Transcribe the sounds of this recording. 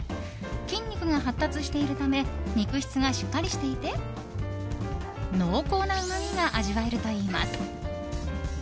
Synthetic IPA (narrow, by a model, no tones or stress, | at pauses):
kʲĩɲ̟ʲːikɯ̟ŋaɦat̪ːat͡sɨɕi̥t̪e̞iɾɯ̟t̪ame̞ɲʲikɯ̟çʲi̥t͡sɨɡaɕi̥kːaɾʲiɕi̥t̪e̞it̪e̞ | no̞ːko̞ːnaɯ̟mamʲiɡaʔaʑiβaeɾɯ̟t̪o̞iːma̰sɨ̥